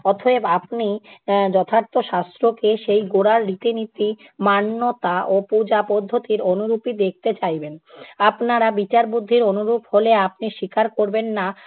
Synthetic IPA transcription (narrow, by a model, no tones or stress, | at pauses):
ɔt̪ʰoebapnid͡ʑɔt̪ʰaɾt̪oʃast̪ɾokeʃejɡoɽaɾɾit̪init̪i | manːot̪aʔopud͡ʑapɔd̪ʱːot̪iɾonuɾupid̪ek̚t̪et͡ɕajbenapnaɾabit͡ɕaɾbud̪ʱːiɾonuɾupholeap̚niʃikaɾkoɾbenːa